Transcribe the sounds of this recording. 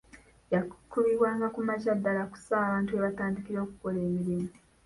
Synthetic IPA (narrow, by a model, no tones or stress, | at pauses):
jakʰuβiβwaːŋɡakumacadːalaku̥saːβaːntue̞βataːndikiɾo̞ːkuko̞le̞ːmiɾimu